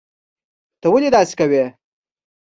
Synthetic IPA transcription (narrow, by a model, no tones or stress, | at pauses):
t̪əwəlid̪ɑsɪ̥kawe